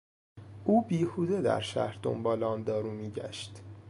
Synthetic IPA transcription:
ʔuːbiːhuːd̪ed̪æ̰ɾʃæ̰hɾd̪o̞̰mbɒːlɒnd̪ɒːɾuːmiːɟæ̰ʃt̪

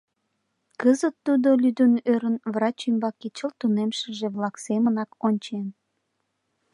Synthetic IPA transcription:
kəzət̪ːud̪olyd̪ənøɾənvrɑt͡ɕymbɑket͡ɕəlt̪unemʃəʒeβlɑksemənɑkonʲt͡ɕen

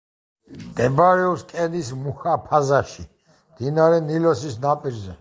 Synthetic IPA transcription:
d̪̥ɛbaɾɛɔpskʼɛnismuxapʰazaʃi | md̪̥inaɾɛnilɔsisnapʼiɾzɛ

